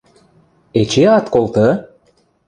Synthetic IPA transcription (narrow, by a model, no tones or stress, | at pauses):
et͡ɕeɑt̪kolt̪ə